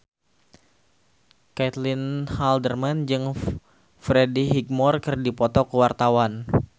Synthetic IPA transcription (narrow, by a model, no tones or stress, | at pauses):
kɛt̪linhaldərmand͡ʒɨŋ | fɾediɦik̚mɔrkɨrdipɔt̪ɔkəwart̪awan